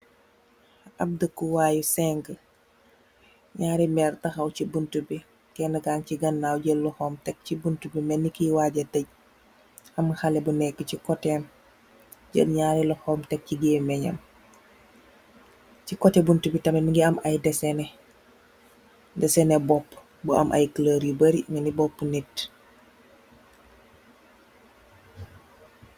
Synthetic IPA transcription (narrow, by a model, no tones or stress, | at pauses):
ɐb̚dəkuwaːjusɛŋɡə | ɲaːɾimɛːɾtɐxɐwcibuntubi | kɛːnɐɡaːŋciɡɐnːaːwɟəllɔxɔːmtɛk̚cibuntubimɛnːikiwaːɟɐtɐɟ̚ | ɐmxalɛbunɛkːəcikɔtɛːm | ɟə̰lɲaːɾilɔhɔːmtɛk̚ciɡeːmɛɲɐ̰m | cikɔtɛbuntubitɐminiŋɡiɐmɐjdɛsɛnɛ | dɛsɛnɛbɔpː | buɐ̰mʔɐ̰jkləɾibəɾimɛnibɔpːunit